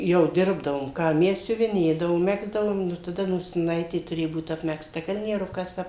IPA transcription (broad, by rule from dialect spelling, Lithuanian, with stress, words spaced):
ˈjɛʊ ˈdʲɪrbdɐʋoːm ˈkɑː ˈmʲɛs sʲʊʋʲɪˈnʲeːdɐʋoːm ˈmʲæːɡzdɐʋoːm ˈnʊ tɐˈdɐ noːsʲɪˈnɐɪtʲeː tʊˈrʲeːjʊ ˈbuːt ɐpʲmʲɛksˈtɐ kɐlʲnʲiɛˈrʊkɐs ˈɐp